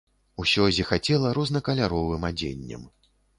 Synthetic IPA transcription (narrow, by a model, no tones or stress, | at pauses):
usʲɔzʲixat͡sʲɛlˠɐɾɔznɐkɐlʲaɾɔvɨmad͡zʲḛnʲːɐ̰m